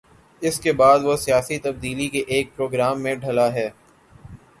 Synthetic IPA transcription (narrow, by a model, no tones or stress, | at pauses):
ɪskebaːd̪ʋosijaːsit̪ɐb̚d̪iːlikeʔeːk̚pɾoːɡɾaːmːẽɖʱɐlaɦɛː